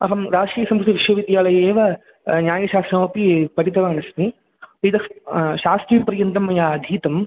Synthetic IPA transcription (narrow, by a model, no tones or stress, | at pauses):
ɐɦɐmɾaːʂɾiːjɐsɐmkɾut̪iʋiʂʋɐʋid̪jaːlɐjɐeːʋɐ | njaːjɐʃaːst̪ɾɐɐpipɐʈit̪ɐʋɐɐnɐsmi | pid̪ɐʃaːst̪ɾipɐɾjɐnt̪ɐmːɐjaːd̪ʱiːt̪ɐm